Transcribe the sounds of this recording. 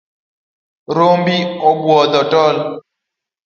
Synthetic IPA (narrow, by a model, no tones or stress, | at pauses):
ɾoːmbioɡwaːd̪ɐʈaːl